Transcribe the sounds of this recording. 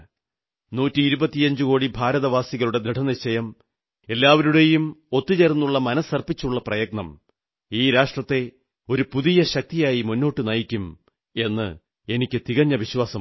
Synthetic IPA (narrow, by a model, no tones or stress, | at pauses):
nuːtːiːɾubɐt̪ːijɐɲd͡ʑukoːɽibʱaːɾɐðɐʋaːsiɣɐɭuɽe̞d̪ɾiʈʰɐniɕɐjɐm | e̞lːaːʋɐɾuɽe̞jumo̞t̪ːit͡ɕernːuɭːɐmɐnɐsɐrpit͡ɕːuɭːɐprɐjɐɡ̚nɐm | iːɾaːʂʈrɐt̪ːe̞ | o̞ɾupuðijɐɕɐk̚t̪ijaːjimunːo̞ːʈːɨnɐjikʲːum | e̞nːɨ̰ | e̞nikʲːɨt̪iɣɐɲːɐʋiɕwaːsɐm